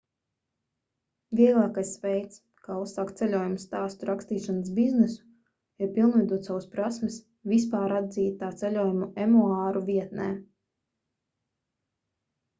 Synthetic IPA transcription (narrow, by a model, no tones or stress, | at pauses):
vʲiɛɡlˠaːkajsvɛjt̪s | kaːusaːkt̪sɛlʲuɔjumust̪aːst̪uɾakst̪iːʃans̬biznesu̥ | ipilˠnvɛd̪uɔt̪sawuspɾasmɪs | vis̬paːɾad̪ziːt̪t̪ːaːt̪sɛlʲuɔjumuɛmuaːɾuviɛt̪̚nɛː